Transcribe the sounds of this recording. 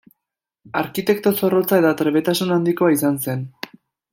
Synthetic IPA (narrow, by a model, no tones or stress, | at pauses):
aɾkit̪e̞k̚t̪o̞so̞ro̞t͡sae̞t̪at̪ɾe̞βe̞t̪asunand̪iko̞aisanse̞n